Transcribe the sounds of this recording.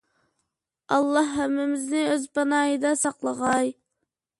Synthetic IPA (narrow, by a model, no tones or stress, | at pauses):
ɑlˠːɑhːæmːɪmɪznɪøzpɑnɑːjəd̪ɑsɑqlˠəʁɑj